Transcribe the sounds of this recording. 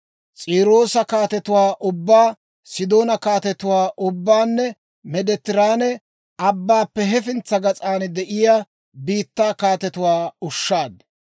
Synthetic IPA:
t͡sʼiːɾo̞ːsɐkaːt̪ɛt̪ʊwaːʔʊbːaː | sɪd̪o̞ːnɐkaːt̪ɛt̪ʊwaːʔʊbːaːnːɛ | mɛd̪ɛt̪ːɪɾaːnɛ | ɐbːaːpːɛɦɛfɪnt͡sːɐɡɐt͡sʼaːnd̪ɛʔɪjaː | biːt̪ːaːkaːt̪ɛt̪ʊwaːʊʃːaːd̪

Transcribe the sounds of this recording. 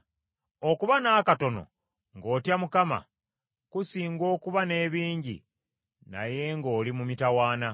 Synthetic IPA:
o̞kuβanaːkato̞no̞̰ | ŋɡo̞ːtjamukama̰ | kusiːŋɡo̞ːkuβane̞ːβiːɲɟḭ | na̰je̞ŋɡo̞ːlimumitawaːna

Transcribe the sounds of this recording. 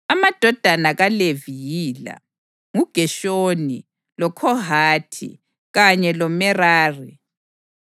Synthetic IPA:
amad̥ʱɔd̥ʱanaɣalevijiːla̰ | ŋuɡ̥ʱɛʃoni | lɔkʰɔɦaːtʰḭ | ɣaɲɛlɔmɛraːri

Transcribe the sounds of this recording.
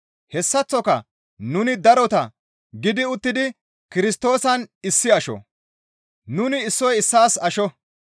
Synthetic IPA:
hɛsːɐt͡sːɔkɐ̰ | nʊnɪd̪ɐɾɔt̪ɐ | ɡɪd̪ɪʊt̪ːɪd̪ɪ | kɪɾɪst̪o̞ːsɐnɪsːɪɐʃɔ̰ | nʊnɪːsːɔjɪsːaːsɐʃɔ

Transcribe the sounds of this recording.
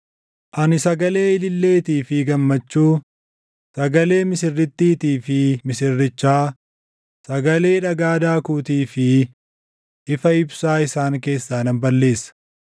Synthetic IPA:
ʔɐnɪsɐɡɐle̞ːɪlɪlːe̞ːt̪iːfɪɡɐmːɐt͡ʃːuː | sɐɡɐle̞ːmɪsɪrːɪt̪ːiːt̪iːfɪmɪsɪrːɪt͡ʃːaː | sɐɡɐle̞ːᶑɐɡaːd̪aːkuːt̪iːfɪ | ʔɪfɐɪbsaːɪsaːŋke̞ːsːaːnɐmbɐlːe̞ːsːɐ̥

